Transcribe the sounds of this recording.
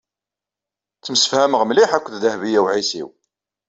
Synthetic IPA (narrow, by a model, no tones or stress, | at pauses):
t͡sːəmsə̥fhæməʁmliħækʷːððəhvijæwʕisḭw